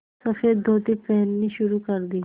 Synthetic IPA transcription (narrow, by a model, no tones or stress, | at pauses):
sɐfeːd̪d̪ʱoːt̪ipɛɦnːiʃʊɾukɐɾd̪i